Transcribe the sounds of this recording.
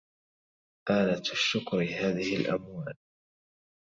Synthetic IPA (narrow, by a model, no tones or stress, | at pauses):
ʔaːlat̪ʃːʊkɾɪɦaːðɪhɪlʔa̰mwaːl